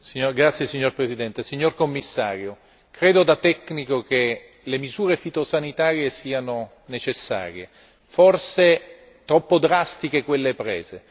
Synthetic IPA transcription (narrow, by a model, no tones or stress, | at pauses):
siɲːoɾɡɾat̪sːjesiɲːorpɾezid̪ɛnt̪esiɲːorkomːisːaːɾjo | kɾeːd̪od̪at̪ɛkːnikok̟e | lemizuːɾefit̪osanit̪aːɾjesiːano | net͡ʃesːa̰ːɾje | forse | t̪ɾɔpːod̪ɾast̪ik̟ekwelːepɾɛːze